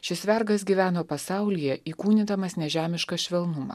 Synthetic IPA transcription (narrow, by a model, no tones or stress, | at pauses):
ʃʲɪsʋʲɛɾɡɐs̬ɡʲiːʋʲæːnoːpɐsɑˑʊlʲɪjɛiːkuːnʲɪd̪ɐmɐsnʲɛʒʲæːmʲɪʃkɐʃʲʋʲɛlˠnʊmɑ̰ː